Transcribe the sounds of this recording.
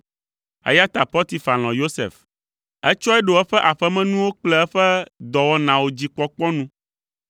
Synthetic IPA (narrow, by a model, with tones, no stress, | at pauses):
ḛ˦ja˦t̪a˨pɔ˦t̪i˨fa˨l̃ɔ̃˨jo˦sḛ˨f | ɛ˦t͡ʃɔ˦ɛ˦ɖo˨ɛ˦ɸɛ˦ʔa˨ɸɛ˦mɛ̃˦nũ˦wo˦k͡plɛ˦ɛ˦ɸɛ˦d̪ɔ˨wɔ˦nã˨wo˨d͡ʑi˨k͡pɔ˦k͡pɔ˦nũ˦